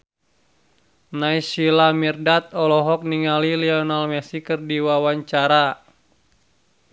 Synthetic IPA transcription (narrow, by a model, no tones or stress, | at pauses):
naisilamirdat̪̚ɔlɔɦɔk̚niŋaliliɔnalmɛsikɨrdiwawaɲt͡ʃaɾa